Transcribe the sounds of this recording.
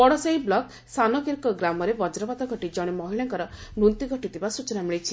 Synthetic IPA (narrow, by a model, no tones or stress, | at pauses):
bɔɽɔsejblɔk | sanɔkiɾkɔɡɾamɔɾebɔd͡ʒɾɔbad̪ɔɡʱɔʈid͡ʒɔɽ̃emɔɦiɭaŋkɔɾɔnunt̪iɡʱɔʈit̪ʰibasut͡ʃɔnamiɭet͡ʃʰi